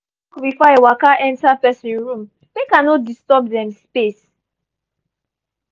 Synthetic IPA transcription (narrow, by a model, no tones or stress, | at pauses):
bifɔewakaʔɛ̃ntapɛsĩɹũm | bekãnɔt̚distɔp̚dɛ̃mspes